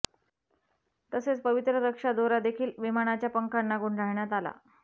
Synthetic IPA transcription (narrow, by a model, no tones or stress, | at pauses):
t̪əset͡spəʋit̪ɾəɾəkʂad̪oɾad̪ekʰiːlʋimaɽ̃at͡ɕjapəŋkanːaɡuɳɖʱaɭɳjat̪ala̰